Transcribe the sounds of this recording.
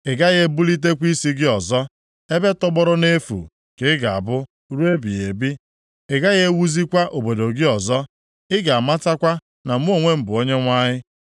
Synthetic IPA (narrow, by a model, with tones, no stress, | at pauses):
e˨ɡa˦ɣe˦bu˦li˦t̬e˦kʷi˦si˦ɡɪ˦ɔ˨zɔ˦ | e˦be˦tɔ˦ɡ͡bɔ˦ɾʊ˦ne˦fṵ˨ | kɪ˨˦ɡa˨a˨bʊ˦ | ɾu˦e˦bḭ˨e˨bi˦ | e˨ɡa˦ɣe˦wu˦zi˦kʷa˦ʔo˨bo˨do˨ɡɪ˦ɔ˨zɔ˦ | ɪ˦ɡa˨a˨ma˦ta˦kʷa˦ | na˨m̩˦o˨ŋʷe˦m̩˨bʊ˨o˦ɲe˦ŋʷa˦ɲɪ˦